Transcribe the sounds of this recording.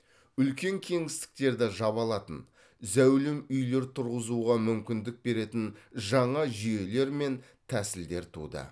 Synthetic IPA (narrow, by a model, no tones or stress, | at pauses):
ʏlkʲe̞ŋkʲʰe̞ŋɪst̪ɪ̥k̚t̪e̞ɾd̪ɪʒɑβɑlˠɑt̪ən | zæwlɪmʏjle̞ɾt̪ʰʊɾʁəzuʁɑmʏmkʲɪnd̪ɪk̚be̞ɾe̞t̪ɪnʒɑɴɑʒije̞le̞ɾme̞n | t̪ʰæsɪld̪e̞ɾt̪ʰṵd̪ə̰